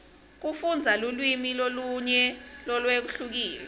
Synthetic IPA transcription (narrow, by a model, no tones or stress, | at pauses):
k̬ufund͡zʱalulwimiloluɲɛlɔlwek̬uɬuk̬iːlɛ